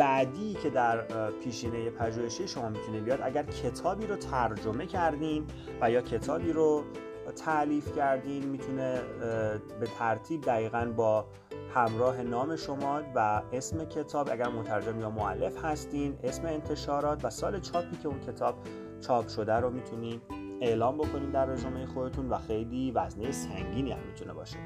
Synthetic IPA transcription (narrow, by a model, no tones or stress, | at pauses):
bæʔd̪iːcʰe̞d̪æɾpʰiːʃiːnejepʰæʒuːheʃiːʃo̞mɒːmit̪ʰunibijɒːd̪ʔæɟæɾcʰe̞t̪ʰɒːbiːɾot̪ʰæɾd͡ʒo̞me̞cʰæɾd̪iːn | væjɒːcʰe̞t̪ʰɒːbiːɾo | t̪ʰæliːfcʰæɾd̪iːnmiːt̪ʰune | be̞t̪ʰæɾt̪ʰiːb̚d̪æɣiːɣænbɒː | hæmɾɒːɦe̞nɒːme̞ʃo̞mɒːvæesme̞cʰe̞t̪ʰɒːbʔæɟæɾmot̪ʰæɾd͡ʒe̞mjɒːmoælːe̞fhæst̪iːne̞sme̞ːnt̪ʰe̞ʃɒːɾɒːt̪ʰvæsɒːle̞t͡ʃʰɒːpʰiːcʰe̞uncʰe̞t̪ʰɒːb̥̚ | t͡ʃʰɒːpʃo̞d̪æɾomit̪ʰuniːd | e̞ʔlɒːmbo̞kʰo̞niːnd̪æɾːezɒːmejexod̪e̞t̪ʰunvæxe̞jliːvæznejesæŋɟiːniːæ̰mːit̪ʰune̞̰bɒ̰ːʃe